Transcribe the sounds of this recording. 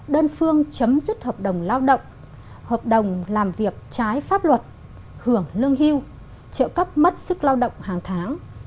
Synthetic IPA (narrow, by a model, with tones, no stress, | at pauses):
ɗəː˧nfɨ˧əŋt͡ɕə˨˦mzɨ˦˥t̚həː˨˩p̚ɗə˨˩wŋ͡mlaː˧wɗə̰˧˨wŋ͡m | həː˨˩p̚ɗə˨˩wŋ͡mlaː˨˩mvi˨˩ək̚t͡ɕaː˨˦jfaː˦˥p̚lwə˨˩t̚ | hɨ˧˩əŋlɨ˧əŋɦi˧w | t͡ɕə̰ː˧˨wkə˦˥p̚mə˦˥t̚sɨ˦˥k̚laː˧wɗə̰˧˨wŋ͡mhaː˨˩ŋt̪ʰaː˨˦ŋ